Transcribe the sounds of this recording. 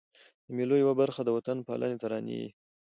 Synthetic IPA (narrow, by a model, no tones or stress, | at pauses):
d̪əmelojawabaɾxad̪əwat̪anpɑ̰lʔa̰net̪aɾɑnḭwḭ